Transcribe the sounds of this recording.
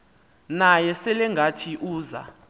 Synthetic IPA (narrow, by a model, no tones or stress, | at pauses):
najɛsɛlɛŋɡʱatʰiʔuːza̰